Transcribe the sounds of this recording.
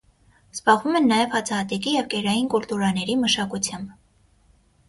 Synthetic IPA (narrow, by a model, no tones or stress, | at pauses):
z̥bɑʁvumɛnːɑjɛvhɑt͡sʰɑɦɑt̪ɛkijɛvkɛɾɑjinkult̪uɾɑnɛɾiməʃɑkut͡sʰjɑmb